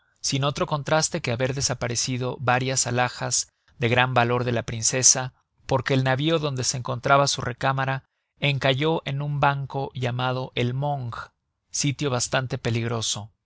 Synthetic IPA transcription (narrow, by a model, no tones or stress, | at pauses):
sino̞t̪ɾo̞ko̞nt̪ɾast̪e̞ke̞aβe̞ɾðe̞sapaɾe̞siðo̞βaɾjasalaxaz̥ | ðe̞ɣɾambalo̞ɾðe̞lapɾinse̞sa | po̞ɾke̞ːlnaβio̞ðo̞nd̪e̞seŋko̞nt̪ɾaβasure̞kamaɾa | e̞ŋkaʝo̞ʔe̞numbaŋko̞ʝamað̞o̞ʔe̞lmoŋɡ | sit̪jo̞βast̪ant̪e̞pe̞liɣɾo̞so̞